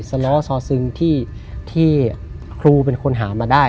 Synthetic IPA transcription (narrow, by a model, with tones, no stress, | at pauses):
sa˧lɔː˦˥sɔː˨˦˥sɯ˧ŋt̪ʰiː˥˩ | t̪ʰiː˥˩ | kʰɾuː˧pe˧nkʰo˧nɦaː˩˦maː˧daː˥˩